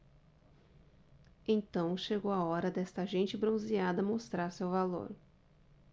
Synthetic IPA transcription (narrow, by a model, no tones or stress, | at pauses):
ẽnt̪ɐ̃w̃ʃeɡowaɔɾɐd̪ɛst̪ɐʒẽnt͡ʃɪbɾõw̃ziad̪ɐmost̪ɾaɾsewvalo̰ɾ